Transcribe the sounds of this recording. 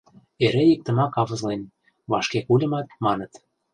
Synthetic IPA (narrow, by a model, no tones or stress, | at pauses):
eɾeik̚t̪ə̆mɑkɑβɤ̆zlen | βɑʃkekulʲə̆mɑt̪̚mɑnə̆t̪